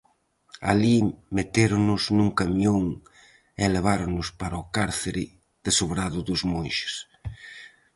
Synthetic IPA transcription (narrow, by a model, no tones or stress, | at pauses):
a̰limet̪eɾʊnʊznuŋkamjoŋ | eleβ̞aɾonʊspaɾaokaɾθeɾɪ | ð̥esoβɾaðʊðʊzmonʃɪ̥s